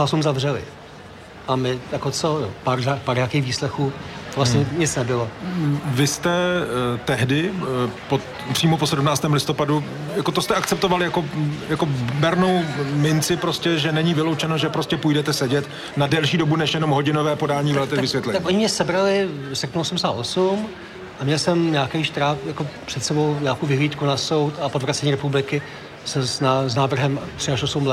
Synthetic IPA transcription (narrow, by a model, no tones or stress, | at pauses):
asumzavrɛlɪ̰ | ʔamɪjakot͡sojopaɾzakpaɾɲaːkeːxviːslɛxuːvlasɲɛɲɪt͡snɛbɪlovɪst̪ɛt̪ɛɦdɪpo | pr̥iːmoposɛdumnaːt͡st̪ɛːmlɪst̪opadu | jako̞t̪ost̪ɛʔakt͡sɛp̚t̪ovalɪjako̞jako̞bɛɾnowmɪnt͡sɪpɾoscɛʒɛnɛɲiːvɪlowt͡ʃɛnoʒɛpɾoscɛpujdɛt̪ɛsɛɟɛt̪ | nadɛlʃiːdobunɛʃjɛno̞mɦo̞ɟɪnovɛːpodaːɲiːvɛlt̪ɛvɪsvjɛt̪lɛɲːakʔoɲɪmɲɛsɛbɾalɪsɛrpnuosumsaːʔosum | ʔamɲɛlsɛmɲaːkɛjʃt̪ɾaːfjako̞pr̥ɛt̪sɛbowɲaːkowvɪɦliːt̪kunaso̞wt̪apodvɾat͡sɛɲiːɾɛpublɪkɪ | sɛsaznaːvr̩ɦɛmt̪r̥ɪaʃosumlɛ